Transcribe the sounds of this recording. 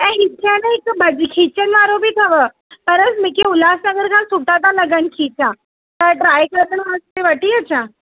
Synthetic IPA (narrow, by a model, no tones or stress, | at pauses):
ɛ̃ɦɪkʰanẽɪkbɐd͡ʒkʰiːt͡ʃənʋaːɾobʱit̪ʰɐʋə | pɐɾəsmɪkeʊlaːsnɐɡəɾkʰãsuʈ̪ãt̪ãlɐɡənkʰiːt͡ʃã | t̪ɐʈɾaːjkəɾkənʋaːst̪eʋɐʈiət͡ʃʰã